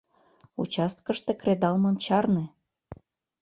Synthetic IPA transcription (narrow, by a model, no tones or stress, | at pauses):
ṵt͡ɕɑst̪̚kəʃt̪ekɾed̪ɑlməmt͡ɕɑrne